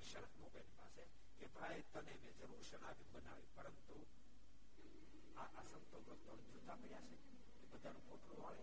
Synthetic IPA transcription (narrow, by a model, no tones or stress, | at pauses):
ʃəɾəkmokanipa̰se | kepɾajət̪ːənemed͡ʒəɾuɾʃənapibəna̰ʋĩpəɾənt̪u | aʔasənt̪oɡət̪od͡ʒot̪apəɾjase | kebəd̪ʱːanũkoʈɾuɦaɭe